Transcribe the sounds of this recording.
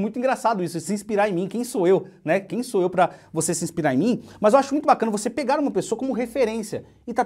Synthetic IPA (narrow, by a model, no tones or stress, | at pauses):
mũj̃t̪ʊĩɡɾasad̪ʊisʊsɪĩspiɾaɾẽj̃mĩkẽj̃soewnɛkẽj̃soewpɾɐvosesɪĩspiɾaɾẽmĩmɐzewaʃʊmũj̃t̪ʊbakɐ̃nɐvosepeɡaɾũmɐpesoɐkõmʊɦefeɾẽsiɐ | ɪt̪a